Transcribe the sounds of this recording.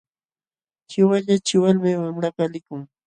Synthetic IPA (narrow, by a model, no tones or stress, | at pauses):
t͡ʃɪwaʎat͡ʃɪwalmewamɾapalɪkʊŋ